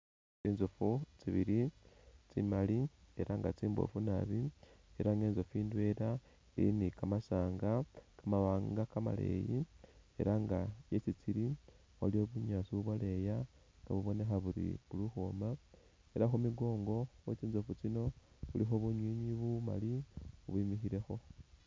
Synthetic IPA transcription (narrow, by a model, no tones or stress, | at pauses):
t͡siːnzofut͡siβiɾit͡sḭmalie̞̰ɾaŋɡat͡siːmbo̰funa̰βie̞ɾaŋɡeːnzofiːndwe̞ɾa | eḭnikamasaːŋɡakamaβaːŋɡakama̰lḛjie̞̰ɾaŋɡajet͡sit͡siɾi | olio̞βuɲaːt͡siβuβwale̞ja | ŋɡa̰βuβo̞ne̞xaβuɾḭβuluxoːma | e̞ɾaxomiɡo̞ːŋɡo̞wet͡siːnzofut͡sino̞ | βulixo̞βuɲwiːɲiβuma̰liuβwimixiɾe̞xo̞